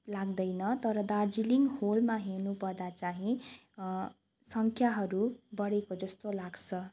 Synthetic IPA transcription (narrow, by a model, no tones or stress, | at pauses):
laɡ̚d̪ʌjnʌt̪ʌɾʌd̪ard͡ziliŋɡholmaɦernupʌrd̪at͡saɦĩ | sʌŋkʰjaɦʌɾubʌɽekod͡zʌst̪olaɡt͡sʰʌ